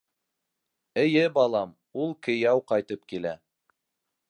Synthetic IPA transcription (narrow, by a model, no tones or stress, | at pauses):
ɘ̆jɘbɑlˠɑm | ulˠkɘ̆jæwqɑjt̪ɤp̚kilæ